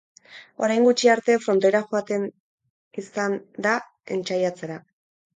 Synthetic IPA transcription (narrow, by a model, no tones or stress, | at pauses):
o̞̰ɾajŋɡut͡ʃiaɾt̪e̞fɾo̞nt̪e̞ɾaxo̞at̪e̞n | isand̪a | e̞̰nt͡ʃajat͡se̞ɾa